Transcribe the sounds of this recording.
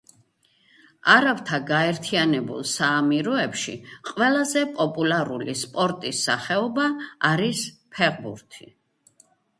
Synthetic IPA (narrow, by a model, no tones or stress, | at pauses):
aɾavt̪ʰaɡaɛɾt̪ʰianɛbṵlˠsaːmiɾɔɛpʃḭqʼwɛlˠazɛpʼɔpʼulˠaɾulispʼɔɾt̪ʼisːaχɛɔbaːɾispʰɛʁbuɾt̪ʰi